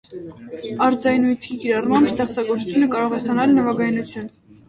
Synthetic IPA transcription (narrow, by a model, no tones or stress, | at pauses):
ɑɾd͡zɑjnujt̪ʰikiɾɑrmɑmbst̪ɛχt͡sɑɡɔɾt͡sʰut͡sʰjunəkɑɾɔʁɛst̪ɑnɑlnəvɑɡɑjnut͡sʰjun